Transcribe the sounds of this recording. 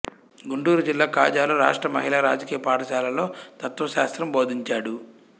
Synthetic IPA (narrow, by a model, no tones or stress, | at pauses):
ɡuɳʈuːɾud͡ʒilːaːkaːd͡ʒaːloɾa̰ːʂʈɾɐmɐɦilaːɾa̰ːd͡ʒɐkiːjɐpaːʈɐʃaːlɐlo̞ːt̪ɐt̪ʋɐʃaːst̪ɾɐmbo̞ːd̪ʱiɲt͡ʃaːɽu